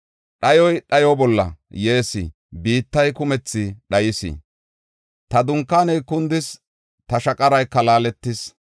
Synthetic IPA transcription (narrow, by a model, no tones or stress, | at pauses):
ɗɐjɔjɗɐjɔbɔlːɐ̰jeːsɪ̰ | biːt̪ːɐjkʊmɛt͡sːɪɗɐjɪsɪ̰ | t̪ɐd̪ʊŋkːaːnɛjkːʊnd̪ɪs | t̪ɐʃɐkʼɐɾɐjkːɐlaːlɛt̪ːɪs